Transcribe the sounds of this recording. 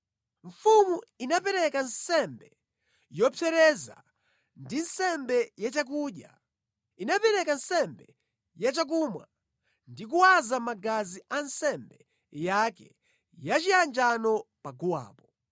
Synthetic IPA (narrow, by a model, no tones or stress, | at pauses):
ɱfumuinapɛɾɛkan̩sɛmbɛ | jɔpʰɛɾɛza̰ | ndinsɛmbɛjat͡ʃak̬uɗja | inapɛɾɛkansɛmbɛ | jat͡ʃak̬umwa̰ | ndik̬uwazamaɡaziansɛmbɛ | jakɛ̰ | jat͡ʃiand͡ʒanɔpaɡuwa̰ːpɔ